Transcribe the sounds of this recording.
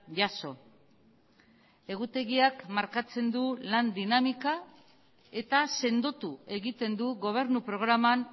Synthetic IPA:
ʝaso̞ | e̞ɣut̪e̞ɣiakmaɾkat͡se̞nd̪uland̪inamika | e̞t̪ase̞nd̪ot̪ue̞ɣit̪e̞nd̪uɣo̞β̞e̞ɾnupɾo̞ɣ̞ɾaman

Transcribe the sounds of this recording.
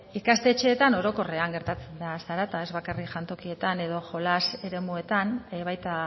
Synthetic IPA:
ikast̪e̞t͡ʃe̞ːt̪ano̞ɾo̞ko̞reaŋɡe̞ɾt̪at͡se̞nd̪asaɾat̪ae̞zβakarikʝant̪o̞kie̞t̪ane̞ðo̞ʝo̞lase̞ɾe̞mue̞t̪anβajt̪a

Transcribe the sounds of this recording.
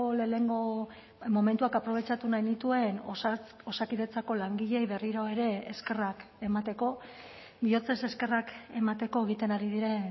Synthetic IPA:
leleŋɡo | mo̞me̞nt̪uakapɾo̞β̞e̞t͡ʃat̪unajnit̪ue̞nosakiðe̞t͡sako̞laŋɡiʎejβe̞riɾoeɾe̞ːske̞rak | e̞mat̪e̞ko̞ | bio̞t͡sese̞ske̞rake̞mat̪e̞ko̞e̞ɣ̞it̪e̞naɾið̞iɾe̞n

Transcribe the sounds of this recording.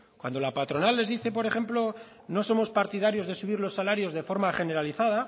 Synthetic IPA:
kwa̰nd̪o̞lapat̪ɾo̞nalːe̞zðiθe̞p̬o̞ɾe̞χe̞mplo̞ | no̞so̞mo̞spaɾt̪iðaɾjo̞zðe̞suβ̞iɾlo̞sːalaɾjo̞zðe̞fo̞ɾmaχe̞ne̞ɾaliθaða

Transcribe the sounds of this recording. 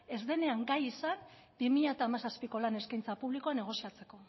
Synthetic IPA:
e̞zðe̞ne̞aŋɡajisan | bimiʎaet̪aːmasaspiko̞lane̞skajnt͡sapuβliko̞ane̞ɣ̞o̞siat͡se̞ko̞

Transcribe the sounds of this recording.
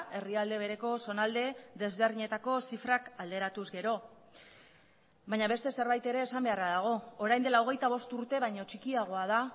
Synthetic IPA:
e̞riald̪e̞β̞e̞ɾe̞ko̞so̞nald̪e̞ðe̞zβ̞e̞rðiɲe̞t̪ako̞sifɾakald̪e̞ɾat̪uzɡe̞ɾo̞ | βaɲaβe̞st̪e̞se̞ɾβajt̪e̞ɾe̞ːsambe̞araðaɣ̞o̞ːɾajnd̪e̞lao̞ɣe̞jt̪aβ̞o̞st̪uɾt̪e̞β̞ajɲo̞t͡ʃikiaɣ̞o̞að̞a

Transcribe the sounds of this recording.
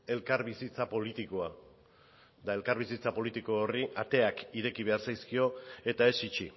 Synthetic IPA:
e̞lkaɾβisit͡sapo̞lit̪ikoa | d̪ae̞lkaɾβisit͡sapo̞lit̪iko̞ːriʔat̪e̞akiɾe̞kiβ̞e̞aɾsajskio̞e̞t̪ae̞sit͡ʃi

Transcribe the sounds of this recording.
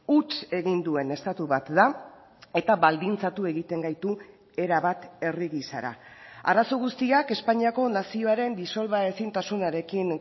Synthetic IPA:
ut͡ʃe̞ɣind̪ue̞ne̞st̪at̪uβat̪d̪a | e̞t̪aβald̪int͡sat̪ue̞ɣit̪e̞ŋɡajt̪u | e̞ɾaβat̪e̞riɣisa̰ɾa̰a̰ɾaso̞ɣ̞ust̪iake̞spaɲiako̞nasio̞aɾe̞nd̪iso̞lβae̞sint̪asunaɾe̞kin

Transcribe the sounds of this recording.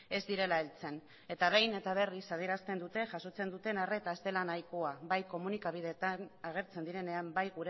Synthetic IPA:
e̞zd̪iɾe̞laelt͡se̞n | e̞t̪aβe̞jne̞t̪aβ̞e̞risað̞eɾast̪e̞nd̪ut̪e̞ʝaso̞t͡se̞nd̪ut̪e̞nare̞t̪aest̪e̞lanajkoaβajko̞munikaβ̞iðe̞t̪anaɣ̞e̞ɾt͡se̞nd̪iɾe̞ne̞ambajɣuɾe

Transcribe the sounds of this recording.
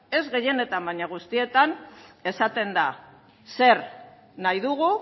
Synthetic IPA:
e̞zɣe̞je̞ne̞t̪ambaɲaɣ̞ust̪ie̞t̪ane̞sat̪e̞nd̪a | se̞ɾ | najðuɣ̞u

